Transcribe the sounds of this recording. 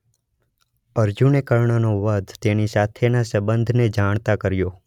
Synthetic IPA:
əɾd͡ʒunekəɭɳənoʋəd̪ʱt̪enisat̪ʰenasəbənd̪ʱned͡ʒaɳ̃t̪akəɾjo

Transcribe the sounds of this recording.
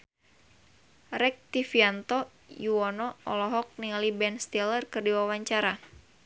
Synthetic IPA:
rɛk̚t̪ifiant̪ɔ | juɔnɔʔɔ̰lɔɦɔk̚nialibɛnst̪ɛlərkɨrdiwawaɲt͡ʃaɾa

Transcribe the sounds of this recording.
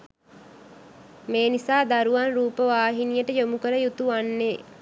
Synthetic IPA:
meːnisaːd̪aɾuʋanɾuːpəʋaːɦinijəʈəjomukəɾəjut̪uʋanːe

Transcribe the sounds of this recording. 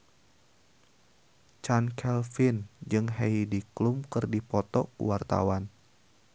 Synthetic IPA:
t͡ʃankʰɛlfind͡ʒɨŋɦeidiklumkɨrdipɔt̪ɔkṵwart̪a̰wan

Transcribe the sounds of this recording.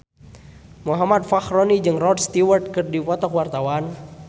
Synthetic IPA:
muɦamat̪̚faxronid͡ʒɨŋrɔd̪st̪iwərt̪̚kɨrdipɔt̪ɔkwart̪awan

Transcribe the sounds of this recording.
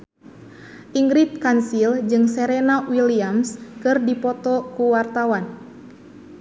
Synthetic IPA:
ʔiŋɡɾit̪̚kansild͡ʒɨŋsɛɾɛnawiliamskɨrdipɔt̪ɔkuwart̪awan

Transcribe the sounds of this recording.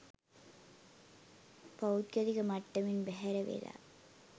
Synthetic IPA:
pɐwt̪̚kɐðiɣɐmɐʈːɐmɪnbɛɦɐɾɐʋḛːla̰ː

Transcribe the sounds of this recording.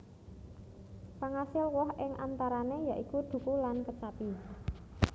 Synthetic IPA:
paŋasɪlwɔɦɪŋant̪aɾanejaʔikud̪̥ṳkulankət͡ʃapi

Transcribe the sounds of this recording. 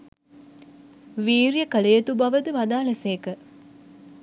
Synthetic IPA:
ʋiːɾjəkəlejet̪ubaʋəd̪əʋad̪aːləseːkə

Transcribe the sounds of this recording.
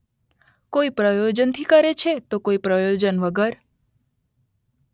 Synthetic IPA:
koipɾəjod͡ʒənt̪ʰikəɾet͡ʃʰet̪okoipɾəjod͡ʒənʋəɡəɾ

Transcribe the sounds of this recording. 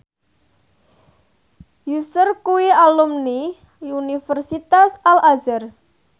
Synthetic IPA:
jusʊrkuwialumni | unifərsit̪asalazər

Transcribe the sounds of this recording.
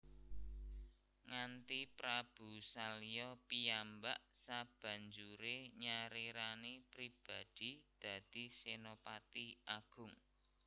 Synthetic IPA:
ŋant̪ipɾab̥usalijɔpiambaʔsab̥ä̤ɲd͡ʒuɾeɲaɾiɾanipɾib̥a̤d̪̥i̤d̪̥ä̤d̪̥i̤senopat̪iʔaɡ̥ʊ̤ŋ

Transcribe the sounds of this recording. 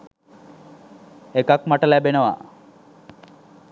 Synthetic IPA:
ekakmaʈəlæbenəʋa̰

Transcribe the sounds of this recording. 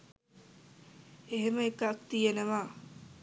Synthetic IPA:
eɦeməekak̚t̪ijenəʋaː

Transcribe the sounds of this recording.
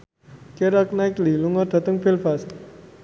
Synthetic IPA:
keɾak̚naɪkliluŋɔrd̪̥a̤t̪əŋfilfast̪

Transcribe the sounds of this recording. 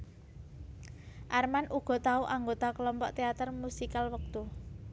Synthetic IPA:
ʔarmanʔuɡ̥ɔ̤t̪auʔaŋɡot̪akəlɔmpɔʔt̪eat̪ərmusikalwək̚t̪u

